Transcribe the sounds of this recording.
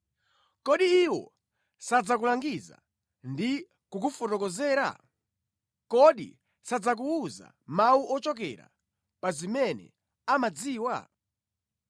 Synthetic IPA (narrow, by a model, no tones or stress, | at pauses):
kɔɗiiwɔ̰ | sad͡zakulaŋɡiza̰ | ndi | kuk̬ufɔtɔkɔzɛːɾa̰ | kɔɗḭ | sad͡zak̬uːza̰ | mauʔɔt͡ʃɔk̬ɛ̰ɾa̰ | pazimɛnɛ̰ | amad͡ziːwa̰